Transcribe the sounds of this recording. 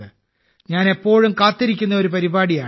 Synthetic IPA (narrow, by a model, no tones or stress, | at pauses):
ɨ | ɲaːnepːo̞ːɻumkaːt̪ːiɾikʲːunːɐo̞ɾupɐɾibaːɽijaː